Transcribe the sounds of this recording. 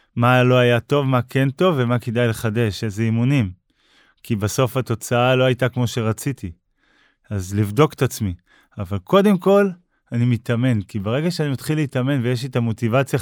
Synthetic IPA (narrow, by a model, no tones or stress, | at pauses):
malo̞ajato̞vmakʰe̞nto̞vːe̞makedajle̞χade̞ʃezeimunim | kibaso̞fhato̞t͡saalo̞ajtakmo̞ʃe̞ʁat͡siti | azlivdo̞ke̥t̪at͡smi | avalko̞de̞mko̞l | animitame̞nkibeʁe̞ɡaʃeanimat̪χilːeitame̞nvejeʃ̬etamo̞tivat͡sja